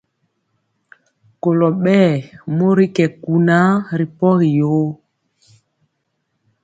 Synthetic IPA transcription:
ko˨lɔ˨ɓɛː˦˨mo˦ɾi˦kɛ˨ku˨na˦ɾi˨pɔ˦ɣi˨jo˨˦

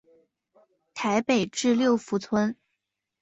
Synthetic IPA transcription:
t̪ʰa˧˥ɪpe˨˩ɪʈ͡ʂɻ̩˥˧ljo˥˩ʊfu˧˥t͡sʰwə˥n

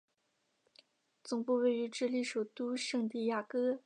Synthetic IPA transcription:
t͡sʊ˨˩ŋpu˥˧we˥˩ɪy˧˥ʈ͡ʂɻ̩˥˧li˥˩ʂo˨˩ʊt̪u˥ʂɤ˥˧ŋt̪i˥˧ja˥˩kɤ˥

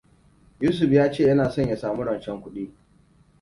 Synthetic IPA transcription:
juː˦s̬ʊ˨ɸjaː˦t͡ʃeː˦˨jɐ˦naː˨sɔ˦˨ɲja˨saː˨mu˦ɽɐ˨nt͡ʃɛ˦ŋkʷʊ˦ɗiː˦

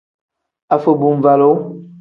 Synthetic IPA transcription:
a˨fə˨bu˨m˨va˨lo˦

